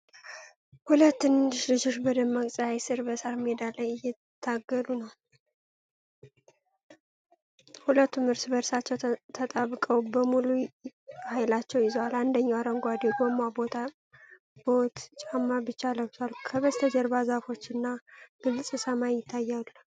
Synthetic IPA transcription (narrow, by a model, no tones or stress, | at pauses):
hulət̪ːɨnd̪ɨʃlɨd͡ʒo̞t͡ʃbəd̪əmːakʼsʼaajsɨɾbəsaɾmed̪alːəjɨjɛ | t̪ʰːaɡːəlunəw | hulət̪ːumɨɾsbəɾsat͡ʃːɛwt̪ʰət̪ʼaβkʼəwbəmuluhajlat͡ʃːɛwjɪzəwaland̪əɲːawaɾəŋɡʷad̪eɡomabo̞t̪ʰa | b̥o̞t̪t͡ʃʼamːabɨt͡ʃːaləwzalkʰəβəst̪ʰəd͡ʒəɾbazafo̞t͡ʃːɨnːaɡ̥ɨlsʼɨsəmajjɪt̪ʰːajːal